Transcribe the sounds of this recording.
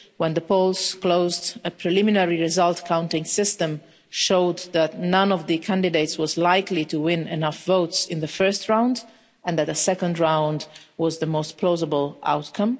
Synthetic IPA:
wɛ̃nðəpʰolˠz̥kloʊzdɨpʰɹ̥ɨlɪmɪnɛɹiɹɨzʌlˠtkʰãʊ̃ntɪ̃ŋsɪstə̃m | ʃoʊd̪ðætnʌ̃nʌvðɨkʰæ̃ndɨdeɪtswʌzlaɪklituwɪ̃nɨnʌfvoʊtsɪ̃nðɨfɜ˞stɹãʊ̃nd | ɨ̃nðɨt̪̚ðəsɛkə̃ndɹãʊ̃ndwʌzðəmoʊstpʰl̥ozəbəl̩ˠʔa̰ʊtkʰʌ̃m

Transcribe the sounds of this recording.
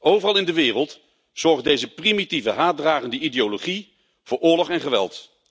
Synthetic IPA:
owvərɑlˠɪndəʋɪːrəlˠt | z̥ɔɹχdejzəprimitivəɦaːdraːχəndəʔideoloχi | v̥ʊːɹʊːɹlɔχɛnχəʋɛ̰lˠt

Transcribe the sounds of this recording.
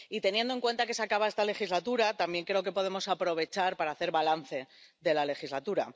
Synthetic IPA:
it̪e̞nje̞nd̪oe̞ŋkwe̞nt̪ake̞sakaβae̞st̪ale̞xizlat̪uɾat̪ambje̞ŋkɾe̞o̞ke̞po̞ð̞e̞mo̞sapɾo̞βe̞t͡ʃaɾpaɾaːθe̞ɾβalan̟θe̞ | ðe̞lale̞xizlat̪uɾa̰

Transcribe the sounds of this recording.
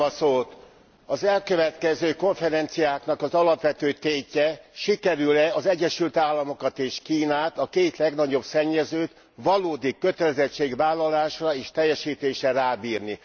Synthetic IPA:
ɒsoːt̪ | ɒzɛlkø̞vɛt̪kɛzøːko̞ɱfɛɾɛnt̪sijaːknɒkɒzɒlɒpʋɛt̪øːt̪eːcːɛʃikɛɾylɛɒzɛɟːɛʃylt̪aːlːɒmo̞kɒt̪eːʃkiːnaːt̪ɒkeːt̪lɛɡnɒɟo̞bsɛɲːɛzøːt̪ | ʋɒloːd̪ikːø̞t̪ɛlɛzɛt͡ʃːeːɡʋaːlːɒlaːʃrɒeːʃt̪ɛjːɛʃiːt̪eːʃɛraːbiːrni

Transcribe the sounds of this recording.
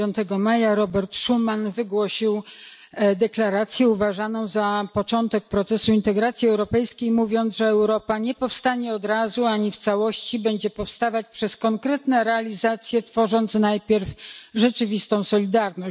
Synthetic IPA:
jɔnt̪ɛɡɔmajaɾɔbɛɾt̪ʂumanvɘɡwɔɕiw | d̪ɛklaɾat̪sʲjɛuvaʐanɔ̃w̃zapɔt͡ʂɔnt̪ɛk̚pɾɔt̪sɛsuint̪ɛɡɾat̪sʲjiɛwɾɔpɛjskʲejmuvʲjɔnt̪zʐɛɛwɾɔpaɲɛpɔfst̪aɲɛɔd̪ɾazuaɲift̪sawɔɕt͡ɕibɛɲd͡ʑɛpɔfst̪avat͡ɕpʂɛskɔŋkɾɛt̪nɛɾɛalʲizat̪sʲjɛt̪fɔʐɔnt̪snajpʲjɛɾfʐɛt͡ʂɘvʲist̪ɔ̃w̃sɔlʲid̪aɾnɔɕ

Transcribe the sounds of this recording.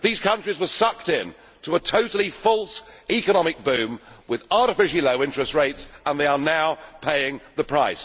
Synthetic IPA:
ðiz̥kʰʌ̃nt͡ʃɹ̥izwə˞sʌk̚tɪ̃n | tʰəətʰoʊɾˡl̩ˠifɔlˠsikənɒmɪk̚b̥ʉ̃mwɪðɑɹɾɨfɪʃliləʊɪ̃nt͡ʃɹ̥ɛstɹeɪtsə̃nðeɪə˞naʊpʰeɪɪ̃ŋðəpʰɹ̥aɪs

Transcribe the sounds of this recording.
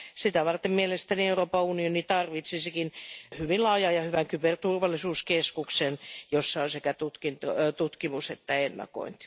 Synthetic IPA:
sit̪æʋɑrt̪emmielest̪ænieuroːpɑunionit̪ɑrʋit̪sisekinhyʋinlɑːjɑjɑhyʋæŋkypert̪urʋɑlːˑisuːskeskuksenjosːɑonsekæt̪ut̪kint̪ot̪ut̪kimuset̪ːæenːɑ̰ko̰int̪i̥

